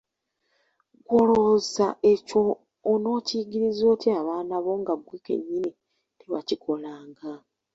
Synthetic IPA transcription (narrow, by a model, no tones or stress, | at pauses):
ɡolozaʔe̞coː | no̞ːciɟiɾizo̞ːtʰiaβaːnaβo̞ŋɡaɡwiːkḛɲːini | tewa̰cikʰo̞laːŋɡa